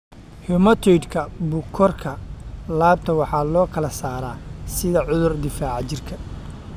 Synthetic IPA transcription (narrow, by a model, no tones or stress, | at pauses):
hɛmɐt̪ʰɔjd̪kʰɐbʊkʰɔrkʰɐlaːb̚t̪ʰɐwɑħɑːlɔːkʰɐlɐsaːɾaːsɪðɐʕʊðʊrd̪ɪfaːʕt͡ʃɪrkʰɐ